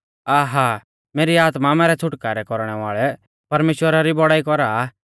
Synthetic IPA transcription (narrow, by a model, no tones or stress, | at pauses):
aːɦa | meːɾiaːt̪mamɛːɾɛt͡sʰʊʈkaːɾɛkɔɾɽ̃ɛʋaːɭɛ | pɐɾmeːʃwəɾaɾibɔɽaːikɔɾa